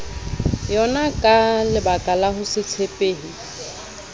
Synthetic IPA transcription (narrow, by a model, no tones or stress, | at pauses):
jɔnakʼalɪbakʼalahʊsɪt͡sʰepʼeːhi